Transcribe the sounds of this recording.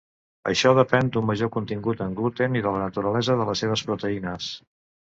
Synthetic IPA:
ə̰ʃɔðəpɛnd̪umməʒokunt̪iŋɡut̪əŋɡlut̪eniðələnət̪uɾəlɛzəðələseβ̞əspɾut̪əinəs

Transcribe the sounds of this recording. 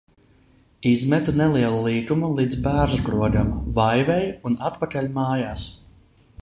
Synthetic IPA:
izmɛt̪unɛlˠiɛlˠulˠiːkumulˠiːd̪zbæːɾzɡɾuɔɡamvajvɛjunat̪pakalʲumaːjaːs

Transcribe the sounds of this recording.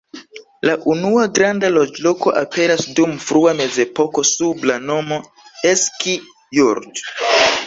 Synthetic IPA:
laʔunuaɡɾandalo̞d͡ʒlo̞ko̞ʔape̞ɾasdumfɾuame̞ze̞po̞ko̞sublano̞mo̞ | eski | juɾd

